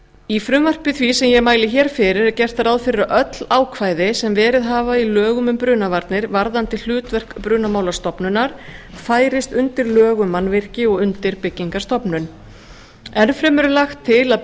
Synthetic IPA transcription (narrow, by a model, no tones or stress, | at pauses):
ifɾʏmvar̥pɪθvisɛmjɛɣmaːjlɪçɛːɾ̥fɪɾɪɾɛɾcɛr̥t̪aɾaːðfɪɾɪɾaʔœt̪laːwkʰvaːjðɪsɛmvɛːɾɪðɦaːvailœːɣʏmʏmpɾʏːnavaɾt̪nɪɾvaɾðant̪ɪl̥ʏːt̪vɛr̥kpɾʏːnamaːwlast̪ɔpnʏnːaɾ̥ | faːjɾɪst̪ʏnt̪ɪɾlœːɣʏmːanːvɪr̥cɪɔɣʏnt̪ɪɾpɪcːiŋkaɾ̥st̪ɔpnʏn | ɛnfɾɛmɛɾʏlaxt̪ʰːɪlað